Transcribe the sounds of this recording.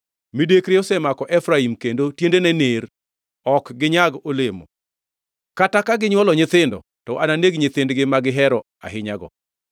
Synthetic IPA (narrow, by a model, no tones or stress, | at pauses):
midekɾɪɔsɛmakɔʔɛfɾaimkendotjendenɛneɾ | ɔkɡɪɲaɡolemo̰ | katakaɡɪɲwɔlɔɲɪt̪ɪndɔ̰ | tɔʔananeɡɲɪt̪ɪndɡɪmaɡɪɦɛɾɔ | a̰ɦɪɲaɡɔ̰